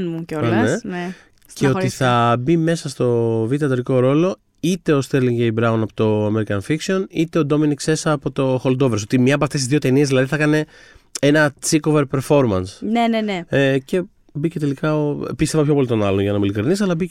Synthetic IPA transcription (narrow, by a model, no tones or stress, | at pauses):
nmucoɐnene | cʰeo̞t̪iθθɐbime̞sɐst̪o̞vit̪iɐt̪ɾiko̞ɾo̞lo̞ | it̪e̞ost̪eɾliŋɟejbɾɐwnɐpot̪o̞ɐmeɾikɐnfiksio̞nit̪e̞o̞d̪o̞miniksesɐpo̞t̪o̞xo̞ld̪o̞veɾs̬ot̪imɲɐp̬oɐft̪es̬tizðio̞t̪e̞niezðilɐðiθɐkɐne̞ | e̞nɐt͡siko̞ve̞ɾpe̞ɾfo̞ɾmɐnsneneneece̞ | bicet̪e̞likɐopist̪e̞vɐpço̞po̞lit̪o̞nɐloʝɐnɐmulikɾinisɐlɐbi